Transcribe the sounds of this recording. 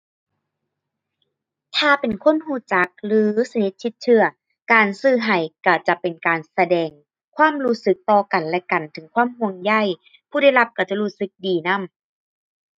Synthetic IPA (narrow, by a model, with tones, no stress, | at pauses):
t̪ʰaː˧˩pe˨˩nkʰo˥˨nhuː˧˩t͡ɕa˨˦k̚lɯː˨˦sa˧ni˧˦t̪̚t͡ɕʰːi˧˦t̪̚t͡ɕʰɯ˧ɐ | kaː˨˩nsɯː˧˩ɦa˨˩jka˧˩t͡ɕa˨˧˩pe˨nkaː˨˩nsa˧dɛː˨˩ŋ | kʰwaː˥˨mɾuː˦˥sɯ˧˦k̚t̪ɔː˧ka˨˩nlɛ˧ka˨˩nt̪ʰɯ˨˩˦ŋkʰwaː˥˨mhu˧˩əŋja˧˥˩j | pʰuː˧˩˨ɾa˥˩jla˧p̚kʰa˧˩t͡ɕa˧˩ɾuː˧˥sɯ˧˦k̚diː˨˩na˧˥˨m